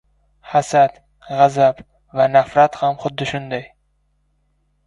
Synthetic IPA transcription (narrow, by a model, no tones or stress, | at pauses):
hasat̪ | ʁazab | vanafɾat̪hamχʊd̪ːɪʃʊnd̪aj